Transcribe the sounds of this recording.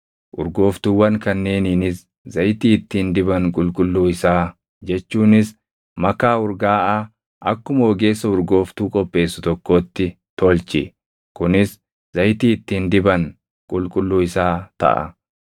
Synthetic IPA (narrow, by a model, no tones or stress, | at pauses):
ʔʊɾɡo̞ːft̪uːwɐŋkɐnːe̞ːniːnɪs | zɐjt̪iːɪt̪ːiːnd̪ɪbɐŋkʼʊlkʼʊlːuːɪsaː | d͡ʒɛt͡ʃːuːnɪs | mɐkaːʊɾɡaːʔaː | ʔɐkːʊmoːɡe̞ːsːɐʊɾɡo̞ːft̪uːkʼɔpʼːe̞ːsːʊt̪ɔkːo̞ːt̪ːɪ | t̪ɔlt͡ʃːɪ̰ | kʊnɪs | zɐjt̪iːɪt̪ːiːnd̪ɪbɐŋ | kʼʊlkʼʊlːuːɪsaːt̪ɐ̰ʔɐ̰